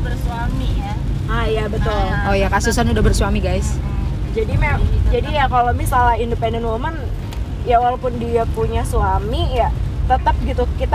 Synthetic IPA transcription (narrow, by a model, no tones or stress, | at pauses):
bərsuami | ajabət̪ʊlojakasusanudaɦbərsuamiɡajsd͡ʒadimaamd͡ʒadijakalomisalahindəpɛndənoman | jawalapʊndiapuɲasuamijat̪ət̪ap̚ɡit̪ukit̪